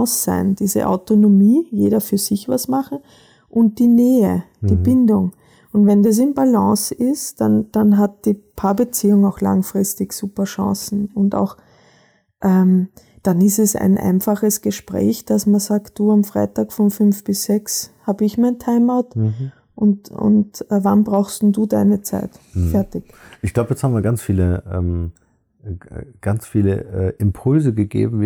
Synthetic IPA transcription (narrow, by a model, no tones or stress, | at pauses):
sa̰ɪnd̥iːzə̰ʔa̰ʊtonomiːjeːɾɐfyːɐz̥ɪçva̰smaχn̩ | ʔʊnt̚d̥iːneːə | d̥iːb̥ɪndʊŋ | ʊntvɛndas̬ɪnbalɑ̃ːsɪstd̥and̥anɦat̚d̥iːpʰaːbət͡siːʊŋaʊxla̰ŋfʁɪstɪçsuːpɐʃɑ̰̃sn̩ʊnta̰ʊx | ʔɛm | d̥anɪstɛsa̰ɪnʔa̰ɪnfaχəsɡ̥əʃpʁ̥ɛ̰ːçd̥asmɐzaːkt̚d̥uːamfʁ̥a̰ɪtaːkfɔnfʏnfb̥ɪsz̥ɛkshaːbəɪçmaɪntʰaɪmaʊt | ʔʊntʊ̰ntɛvanbʁaʊxstn̩duːdaɪnət͡sa̰ɪtfɛɐtɪk | ʔɪçɡ̥laʊbəjɛt͡shabmviːɐɡant͡sfiːləʔɛ̰ːm | ɡ̥ant͡sfiːlə̰ʔɛʔɪmpʰʊlzəɡəɡḛːbm̩v